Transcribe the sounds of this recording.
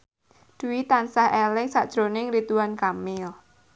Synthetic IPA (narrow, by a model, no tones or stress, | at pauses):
d̥uwit̪ansahʔelɪŋsa̰ʔd̥ʒ̥ɾonɪŋɾit̪uwankamɪl